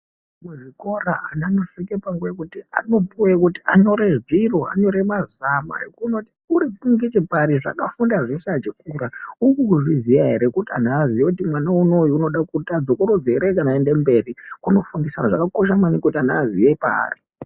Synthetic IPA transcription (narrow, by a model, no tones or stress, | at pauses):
muʐiko̞raanano̞ʂikepaŋɡujekutia̰no̞puwekutiʔaɲo̞ɾe̞ʐiroa̰ɲo̞ɾe̞mazama̰jḛkunotiuɾipuŋɡit͡ʃepaɾiʐa̰kafundaʐeseat͡ʃikuɾaukukuʐizijaɦe̞ɾekutia̰n̤aːzijokutimwanauno̞juuno̞ɗakutad͡zokoɾod͡zeɾekanaende̞mbe̞rikuno̞fundisanaʐakakoʃ̬amanikutanaːzijepa̰ːri